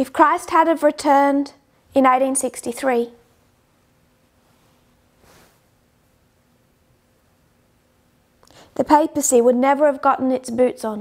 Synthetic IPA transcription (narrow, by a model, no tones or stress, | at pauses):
ɪfkʰɹ̥aɪsthədəvɹɪtʰɜːnd | ɪ̃neɪɾĩnsɪkstiθɹiː | ðəpʰeɪpəsiwədⁿnɛvə˞əvɡɒʔn̩ɪtsbʉˑtsn̩